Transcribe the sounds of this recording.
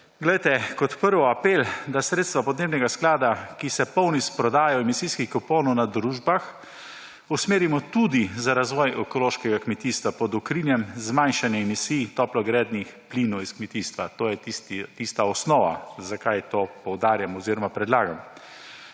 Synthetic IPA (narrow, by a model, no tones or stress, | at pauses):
ɡlɛjt̪ɛkɔt̪pəɾʋɔapeːld̪asɾeːt̪st̪ʋapɔd̪neːbnɛɡasklaːd̪akisɛpɔwnispɾɔd̪aːjawɛmisijskixkɔpoːnɔwnad̪ɾuːʒbax | usmeːɾimɔt̪ud̪izaɾazʋɔːjɛkɔloːʃkɛɡakmɛt̪iːst̪ʋapɔd̪ɔkɾiːnjɛmzmajnʃanjɛɛmisiːjt̪ɔːplɔɡɾɛːd̪nixpliːnɔwiskmɛt̪iːst̪ʋat̪oːjɛt̪ist̪aɔsnɔːʋa̰zakajt̪oːpɔwd̪aːɾjamɔziːɾɔmapɾɛd̪laːɡam